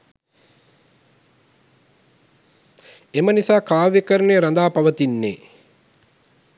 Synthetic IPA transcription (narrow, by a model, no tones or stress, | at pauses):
emənisaːkaːʋjekəɾənejəɾand̪aːpaʋət̪inːḛː